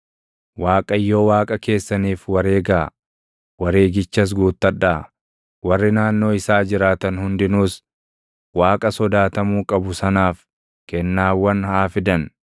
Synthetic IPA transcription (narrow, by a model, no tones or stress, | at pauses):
waːkʼɐjːo̞ːwaːkʼɐke̞ːsːɐniːfwɐɾe̞ːɡaː | wɐɾe̞ːɡɪt͡ʃːɐs̬ɡuːt̪ːɐᶑːa | wɐrːɪnaːnːo̞ːɪsaːd͡ʒɪɾaːt̪ɐnhʊnd̪ɪnuːs | waːkʼɐsɔd̪aːt̪ɐmuːkʼɐbʊsɐnaːf | kɛnːaːwːɐnhaːfɪd̪ɐn